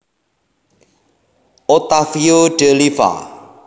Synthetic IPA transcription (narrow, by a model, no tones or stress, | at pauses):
ot̪afioɖ̥elifa̰